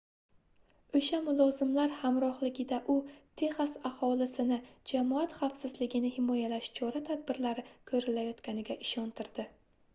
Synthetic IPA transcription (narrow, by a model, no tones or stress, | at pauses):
ɵʃamʊlˠɒzɪmlaɾhamɾɒhlɪɡʲɪd̪aʔʊt̪ʰe̞χasahɒlɪsɪnɪd͡ʒamɒat̪χafsɪzlɪɡʲɪnɪhɪmɒjalaʃt͡ʃʰɒɾat̪ʰad̪̚bɪɾlaɾɪkʰɵɾɪlajɒt̪kʲanɪɡʲaʔɪʃɒnt̪ʰɪɾd̪ɪ